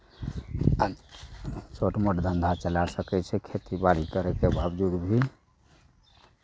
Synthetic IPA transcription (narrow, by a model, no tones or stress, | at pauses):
t͡ʃoʈmoʈd̪ʱə̃nd̪ʱat͡ʃəlasəkɛt͡ʃʰɛkʰet̪ibaɽikəɾekebaːwd͡ʒuːd̪bʱi